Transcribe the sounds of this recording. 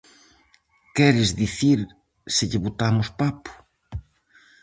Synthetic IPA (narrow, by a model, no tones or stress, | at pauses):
kɛɾɪzðiθiɾ | sɪʎɪβot̪amʊspapʊ̥